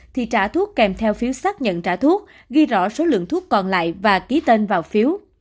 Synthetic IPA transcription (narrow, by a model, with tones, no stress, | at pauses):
t̪ʰi˨˩t͡ɕaː˧˩t̪ʰu˦˥ək̚ːɛ˨˩mt̪ʰɛ˧wfi˨˦əwsaː˦˥k̚ɲə̰˧˨nt͡ɕaː˧˩t̪ʰu˦˥ək̚ | ɣi˧jzɔ̰˧˥so˨˦lɨ̰˧˨əŋt̪ʰu˦˥kːɔ˨˩nla̰ː˧˨jvaː˨˩ki˨˦t̪e˧nvaː˨˩wfi˨˦əw